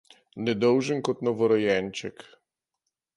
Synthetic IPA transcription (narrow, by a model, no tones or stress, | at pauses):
nʲɛd̪ɔwʐɘŋkɔt̪nɔvɔɾɔjɛnʲt͡ʃɛk